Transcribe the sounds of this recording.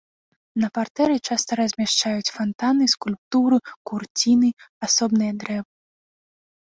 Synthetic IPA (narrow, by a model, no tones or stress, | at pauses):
nɐpart̪ɛɾɨt͡ʂast̪ɐɾɐzʲmʲaʂt͡ʂajut͡sʲfant̪anɨskulʲp̚t̪uɾɨkurt͡sʲinɨasɔbnɨjɐd̪ɾɛvɨ